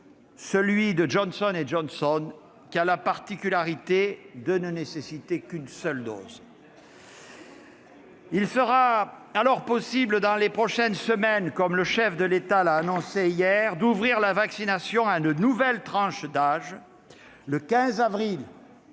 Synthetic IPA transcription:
səlɥid̪əʒɔnsɔneʒɔnsɔn | kʲialapaʁt̪ikʲylaʁit̪ed̪ənənesesit̪ekynsœld̪o̰z | ilsəʁaalɔʁpɔsibləd̪ɑ̃lepχɔʃɛnsəmɛnkɔmləʃɛfd̪əlet̪alaːnɔ̃seijɛʁd̪uvʁiʁlavaksinasjɔ̃aynənuvɛlt̪χɑ̃ʃd̪aʒ | ləkʲɛ̃zavʁil

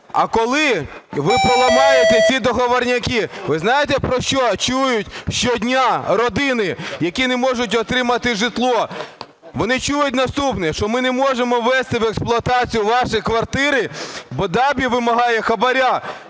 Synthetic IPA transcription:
ɐ̰kɔlˠɪʋɪpɔlˠɐmɑjet̪ɛsʲid̪ɔɦɔʋɐrnʲɐkʲiʋɪznɑjet̪ɛpɾɔʃt͡ʃɔt͡ʃujʊtʲʃt͡ʃɔdʲnʲaɾɔd̪ɪnɪjɐkʲinɛmɔʒʊt̬ʲɔt̪ɾɪmɐt̪ɪʒɪt̪lˠɔ | ʋɔnɪt͡ʃujʊt̚ʲnɐst̪upnɛʃt͡ʃɔmɪnɛmɔʒemɔʋːɛst̪ɪʋɛksplˠʊɐt̪ɑt͡sʲijʊʋɑʃɪjkʋɐrt̪ɪɾɪbɔd̪ɑbʲiʋɪmɐɦɑjɛxɐbɐɾʲa

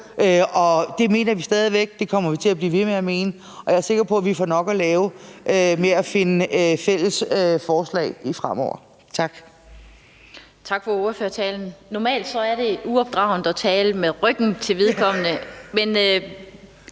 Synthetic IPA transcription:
ʔøɒ̽d̥e̝me̝̰ːnɐʋisd̥ɛːð̞ˠiʋeɡ̥̚d̥e̝kʰɒ̽m̰ɐʋit͡sʰe̝læb̥liːʋe̝meæme̝ːnə | ɒ̽jɑ̈æɐse̝ɡ̥ɐpʰɒ̽æʋifɒnɒ̽ɡ̥ælɛːʊʔømeæfe̝nəfel̰əsøfɒːslɛ̰ːɪifʁamɒ̰ʊ̰ɐ | t͡sʰɑ̈ɡ̥ | t͡sʰɑ̈ɡ̥fɒoːɐføːɐt͡sʰɛːln̩nɒmɛ̰ːld̥sɒ̽æɐɾe̝uɒ̽b̥̚d̥ʁɑ̈ʊn̩d̥ɒt͡sʰɛːləmeðˠʁœɡ̥n̩t͡sʰe̝lʋeðˠkʰɒ̽m̰nəmen

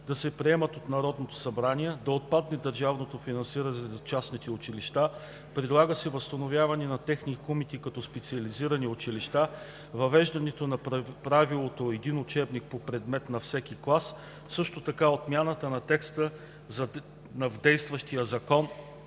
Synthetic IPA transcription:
d̪ɐsɛpɾiɛmət̪ot̪nɐɾɔd̪not̪o̥sɐbɾaniɛd̪ɐot̪̚pad̪nɛd̪əɾʒavnot̪ofinɐnsiɾət͡ʃasnit̪ɛʊt͡ʃiliʃt̪a | pɾid̪lˠaɡəsɛvɐst̪ɐnovʲjavɐnɛnɐt̪ɛxnikomit̪ikɐt̪ɔspɛt̪siɐliziɾɐniʊt͡ʃiliʃt̪a | vɐvɛʒd̪ɐnɛt̪onɐpɾavilˠot̪oɛd̪inʊt͡ʃɛbnik̚popɾɛd̪mɛt̪nɐfsɛk̟iklˠas | sɤʃt̪ot̪ɐkaot̪mʲjanət̪ənɐt̪ɛkst̪ə | zɐ | nɐvd̪ɛjst̪vɐʃt̪ijəzɐkɔn

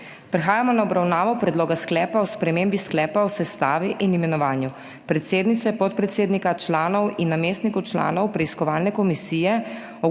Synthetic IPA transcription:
pɾɛxaːjamɔnaɔbɾawnaːʋɔpɾɛd̪loːɡasklɛːpaɔspɾɛmembisklɛːpaɔsɛst̪aːʋiʔinimɛnɔʋaːnju | pɾɛt̪seːd̪nit̪sɛpɔt̪̚pɾɛt̪seːd̪nikat͡ʃlaːnɔwinːameːst̪nikɔwt͡ʃla̰ːnɔwpɾɛiskɔʋaːlnɛkɔmisiːjɛ | ɔ

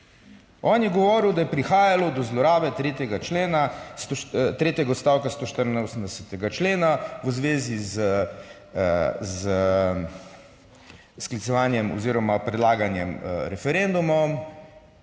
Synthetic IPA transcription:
ɔːnjɛɡɔʋɔːɾiwd̪ajɛpɾixaːjalɔd̪ɔzlɔɾaːbɛt̪ɾeːt̪jɛɡat͡ʃleːnast̪ot̪ɾeːt̪jɛɡaɔt̪st̪aːwkast̪oːʃt̪əɾnosəmd̪ɛsɛt̪ɛɡat͡ʃleːnaʋəzʋeːziz | z | sklitsɛʋaːnjɛmɔ̰ziːɾɔmapɾɛd̪laːɡanjɛmɾɛfɛɾend̪umɔm

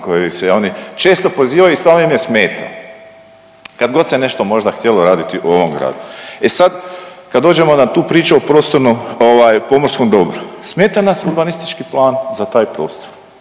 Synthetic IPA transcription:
kojosejo̞nit͡ʃe̞ːst̪o̞po̞ziːʋajuist̪ʋaːloimjesmeːt̪ʰa̰ | kad̪ɡo̞t̪sene̞ʃt̪o̞mo̞ʒd̪axt̪ʲjeloɾaːd̪it̪iʔuo̞ʋo̞mɡɾa̰ːd̪ue̞sad̪kad̪oːd͡ʒe̞mo̞nat̪uːpɾiːt͡ʃuopɾoːst̪o̞ɾnomoʋaːjpo̞moɾskomd̪o̞bɾusme̞ːt̪anasuɾbanist̪it͡ʃkiplˠaːnzat̪aːjpɾo̞ːst̪o̥ɾ

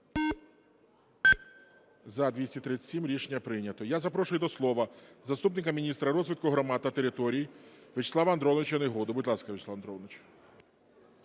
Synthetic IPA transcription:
zɐd̪ʋʲisʲtʲit̪ɾɪt͡sʲsʲimɾʲiʃenʲːɐpɾɪnʲɐt̪ɔjazɐpɾɔʃʊjʊd̪ɔslˠɔʋɐzɐst̪upnɪkɐmʲinʲist̪ɾɐɾɔzʲʋʲit̪̚kʊɦɾɔmɑd̪t̪ːɐt̪eɾɪt̪ɔɾʲijiʋɪt͡ʃslˠɑʋɐɐnd̪ɾɔwnɪt͡ʃjɐneɦɔd̪ʊbʊdʲlˠɑskɐʋɪt͡ʃʲsˠaʋɐnd̪ɾɔlnɪt͡ʃ

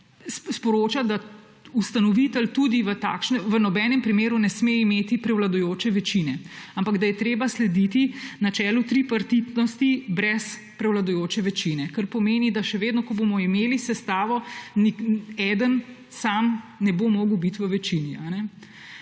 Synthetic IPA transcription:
sspɔɾoːt͡ʃad̪a | ust̪anɔʋit̪əlt̪ud̪iʋət̪a̰ːkʃnɛʋənɔbɛːnɛmpɾimeːɾunɛsmeimeːt̪ipɾɛwlad̪ɔjoːt͡ʃɛʋɛt͡ʃinɛampaɡd̪ajɛt̪ɾeːbaslɛd̪it̪inat͡ʃɛːlut̪ɾipaɾt̪it̪nɔst̪ibɾɛs | pɾɛwlad̪ɔjoːt͡ʃɛʋɛt͡ʃinɛkəɾpɔmeːnid̪aʃɛʋeːd̪nɔkɔbomɔimeːlisɛst̪aːʋɔniɛd̪ən | samnɛbomoːɡəwbit̪ʋəʋɛt͡ʃinianɛ

